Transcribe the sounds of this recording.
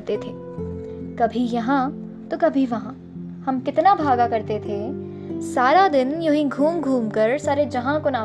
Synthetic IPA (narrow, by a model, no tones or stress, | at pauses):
t̪et̪ʰeː | kɐbʱijɐɦã | t̪okɐbʱiʋɐɦã | hɐmkɪt̪nabʱaːɡakɐɾt̪et̪ʰe | saːɾad̪ɪnjɐɦĩɡʱuːmɡʱuːmkɐɾsaːɾed͡ʒɐɦãkonaː